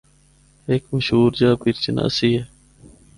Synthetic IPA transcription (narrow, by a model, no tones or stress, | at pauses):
eːkməʃuːɾd͡ʑaːpiɾt͡ɕəna̰ːsiːe